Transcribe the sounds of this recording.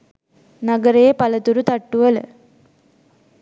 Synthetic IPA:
naɡəɾejepalət̪uɾut̪aʈːuʋələ̰

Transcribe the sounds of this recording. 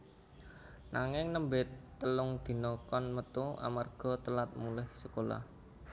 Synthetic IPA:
naŋɪŋnəmbɪt̪ːəlʊŋd̪̥i̤nɔkɔnmət̪ua̰marɡ̥ɔ̤t̪əlat̪̚mulɪhsəkola̰h

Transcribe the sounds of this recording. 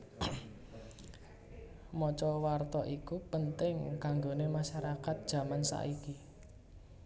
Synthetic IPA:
mɔt͡ʃɔwart̪ɔʔikupənt̪ɪŋkaŋɡonemaʃaɾakat̪̚d̥ʒ̥ä̤mansa̰ʔiki

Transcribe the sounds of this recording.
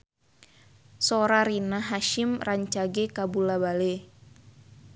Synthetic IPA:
soɾaɾinaɦaʃimraɲt͡ʃaɡɛkabulabale

